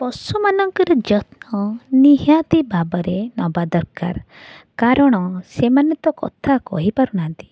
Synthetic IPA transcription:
pɔsumanɔŋkɔɾɔd͡ʒɔt̪nɔniɦjat̪ibabɔɾenɔbad̪ɔɾka̰ɾ | kaɾɔɽ̃ɔsemanɔt̪ɔkɔ̰t̪ʰakɔ̰ɦipaɾuɽ̃ant̪i̥

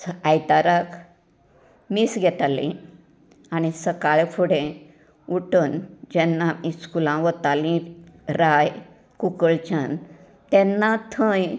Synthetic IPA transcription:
ajt̪aɾak | misɡʱɛt̪alḭ̃ | añisəkaɭefʰuɽẽ | uʈənd͡ʑɛnːaiskulãʋət̪alĩɾaj | kukəɭt͡ɕan | t̪ɛnːat̪ʰə̃j

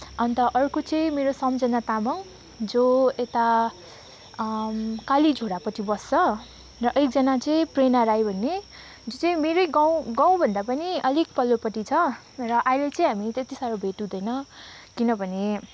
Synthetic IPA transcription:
ʌnt̪ʌʔʌrkot͡sʌĩmeɾosʌmd͡zʌnat̪amʌŋ | d͡zoet̪a | kalid͡zʱoɽapʌt͡sʰibʌst͡sʌ | rʌʔek̚d͡zʌnat͡sʌĩprenaɾajbʱʌnːe | d͡zot͡sʌĩmeɾʌjɡaw̃ɡãw̃bʱʌnd̪apʌniʌlik̚pʌlːopʌʈit͡sʰʌ | rʌʔajlet͡sʌĩɦamit̪et̪isaɾobʱeʈũd̪ʌjnʌkinʌbʱʌne

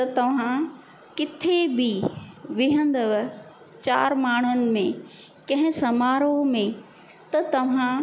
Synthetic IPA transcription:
t̪ɐt̪ɐʋ̤ã | kɪt̪ʰebʱiʋɪɦə̃nd̪əʋ | t͡ɕa̰ːɾmaːɳ̤ʊnɪ̆mẽ | kɐ̃ɦɪ̃sɐmaːɾomẽ | t̪ɐt̪ɐʋ̤ã

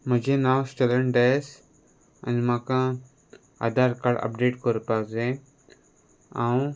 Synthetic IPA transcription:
m̤əd͡ʑenawsʈələɳɖejs | a̰nimakã | a̰d̪ʱaɾkaɽɐ̰pɖeːʈkəɾpakd͡zẽ | ãw

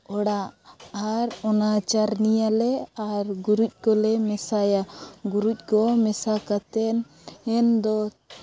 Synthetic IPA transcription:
ɔɽaʔaɾɔnat͡ʃaɾnijalɛaɾɡuɾuc̚ˀkɔlɛmɛsajaɡuɾuc̚ˀkɔmɛsakat̪ɛn | ɛnd̪ɔ

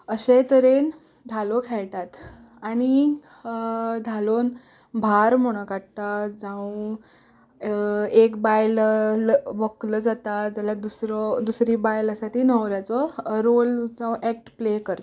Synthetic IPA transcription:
əɕet̪əɾen | d̪ʱalɔkʰɛɭʈ̪at̪ | aɽ̃i | d̪ʱalon | bʱaɾm̤oɽ̃əkaʈt̪ad͡zãw | ekbajl | ʋəkləd͡zat̪ad͡zalad̪usɾɔd̪usɾiːbajləsat̪ʰiːnəʋɾjat͡sɔɾold͡zãw̃ʔɛk̚ʈplekəɾt̪

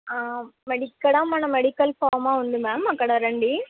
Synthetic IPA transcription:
aːmɛɽɪkːɐɽãːmaːnɐmɛɽɪkːɐlfaːmaːʋɐnd̪ɯmɛːmɐkːɐɽaɾɛɳɖi

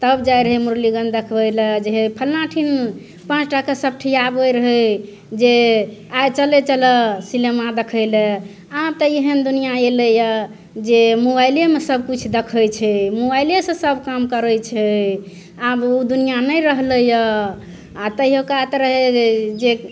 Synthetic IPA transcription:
t̪əbd͡ʒajɾəɦəmuɾliɡənd̪ekʰbəjlɛd͡ʒeɦepʰəlnaʈʰin | pãt͡ʃʰʈakasəb̚ʈʰijabəjɾəɦə | d͡ʒeajt͡ʃəlet͡ʃələsilemad̪ekʰəjlɛ | abt̪əjeɦənd̪unijaeləjə | d͡ʒemobajljemesəb̚ʱkut͡ʃʰd̪ekʰəjt͡ʃʰɛmobajljesə̃səbkamkəɾəjt͡ʃʰɛ | abud̪unijanəjɾəɦləjə | at̪əiɦokat̪ɾəɦed͡ʒe

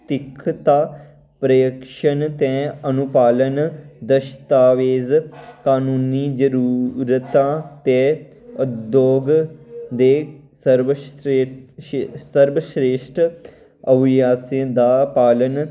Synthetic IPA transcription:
t̪ɪkʰt̪aː | pɾəjəkʃənt̪ɛ̃ːənʊpaːlənd̪əʃt̪aːʋeːzkaːnuːniːd͡ʒəɾuːɾət̪ãːt̪eː | ʊd̪joːɡd̪eː | səɾʋ | səɾbəʃɾeːʃʈ | əʋɪjaːsẽd̪aːpaːlən

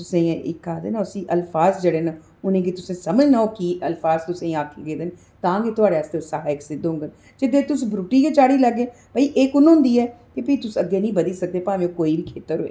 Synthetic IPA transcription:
t̪ʊsẽːʔɪ̰kːaːd̪ḛːnaʊsĩːʔəlfʰaːzd͡ʒeːɽeːnaː | ʊnẽːɡit̪ʊsẽːsəməd͡ʒnaoːkiəlfaːzt̪ʊsẽːaːkʰːeɡeːd̪eːn | t̪ãːɡeːt̪ʊaːɽeaːst̪eːosaːeksɪd̪ɦʊ̃ŋɡən | d͡ʒɪd̪et̪ʊsbɾuːʈiːkiːt͡ʃaːɽiːləɡeː | bəiːʔeːkʊnʊ̃ːnd̪iːɛːkepəit̪ʊsəɡːeːnĩːbəd̪iːsək̚d̪eːpaːʋẽːkoːiːbikʰeːt̪əɾoːḛː

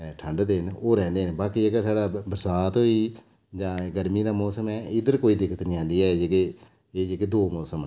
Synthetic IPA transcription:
ɛːʈʰəɳɖd̪enoːɾɛ̃ːnd̪eːnːbaːkiːeːɡasaːɖaːbəɾsaːt̪ɦoːiː | d͡ʒãːɡəɾmiːd̪aːmɔːsəmɛːɪd̪əɾkoːiːd̪ɪkʰət̪nĩːãːnd̪iːɛːd͡ʒeɡe | eːd͡ʒeɡeːd̪oːmɔːsəm

